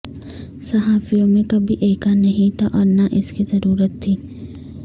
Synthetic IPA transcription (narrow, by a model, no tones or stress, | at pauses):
sɐɦaːfijõmẽkɐbʱiʔeːkanɐɦĩt̪ʰaʔɔːɾnaʔɪskizɐɾuːɾət̪ʰːiː